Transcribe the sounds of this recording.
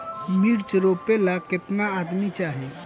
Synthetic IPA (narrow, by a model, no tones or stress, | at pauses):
miɾt͡ʃɾopelaket̪naːd̪mit͡ʃaɦɛ